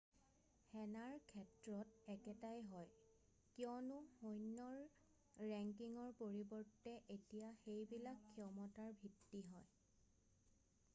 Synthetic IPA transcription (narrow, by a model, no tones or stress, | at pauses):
hɛnaɹkʰɛtɹɔtɛkɛtajɦɔj | kjɔnʊxojnːɔɹ | ɹɛŋkiŋɔɹpoɹibɔɹtːɛʔetijaxejbilakʰːiɔmɔtaɹbʱitːiɦɔj